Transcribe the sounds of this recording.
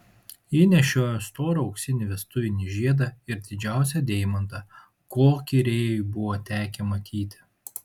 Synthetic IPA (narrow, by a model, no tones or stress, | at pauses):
iːnʲɛʃʲoːjost̪oːɾoɐʊksʲɪnʲɪʋʲɛst̪ʊʋʲɪnʲiʒʲiɛd̪ɐɪɾd̪ʲɪd͡ʒʲæˑʊsʲɛd̪ʲeːɪmɐnt̪ɐ | koːkʲiɾʲeːjʊbʊʋoːt̪ʲæːkʲɛmɐkʲiːt̪ʲɪ̥